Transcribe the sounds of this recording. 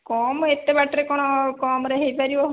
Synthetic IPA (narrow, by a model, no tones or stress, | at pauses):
kɔːmet̪ːebaʈɾekɔɽ̃ɔkɔːmɾeɦepaɾio